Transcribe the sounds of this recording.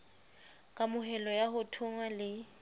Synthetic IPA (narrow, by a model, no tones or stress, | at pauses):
kʼamʊɦɛlɔjaɦʊtʰʊŋwalɪ